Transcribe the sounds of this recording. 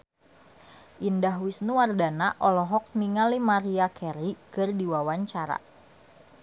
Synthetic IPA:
ʔindaɦwisnuwardanaʔɔlɔɦɔk̚niŋalimaɾiakɛɾikɨrdiwawaɲt͡ʃaɾa̰

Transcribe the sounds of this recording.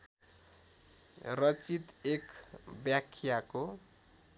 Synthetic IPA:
rʌt͡sit̪ekbjakʰːjako

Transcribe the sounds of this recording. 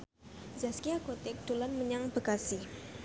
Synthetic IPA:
zaskiakot̪ɪk̚d̪̥ulanməɲaŋb̥ə̤kasɪh

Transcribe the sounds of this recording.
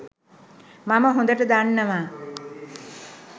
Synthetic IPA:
maməɦõnd̪əʈəd̪anːəʋaː

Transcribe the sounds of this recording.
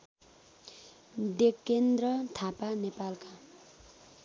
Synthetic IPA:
d̪ekːend̪ɾʌt̪ʰapanepalka

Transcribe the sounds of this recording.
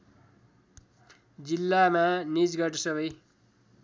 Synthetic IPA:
d͡zilːamanid͡zɡʌʈʌsʌbʌj

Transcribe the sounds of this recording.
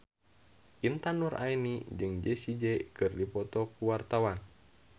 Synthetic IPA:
ʔint̪anuɾa̰inid͡ʒɨŋd͡ʒɛsid͡ʒɛkɨrdipɔt̪ɔkuwart̪awan

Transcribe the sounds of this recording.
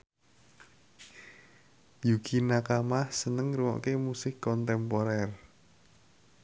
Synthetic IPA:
juɡ̥inakamahsənəŋruwɔ̰ʔkemusɪkːɔnt̪ɛmpoɾɛr

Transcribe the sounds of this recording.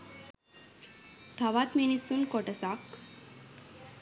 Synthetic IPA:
t̪ʰaʋat̪menisunkoʈəsak

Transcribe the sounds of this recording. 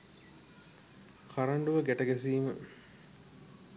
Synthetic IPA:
kaɾɐɳɖuʋəɡæʈɐɡæs̬iːmə

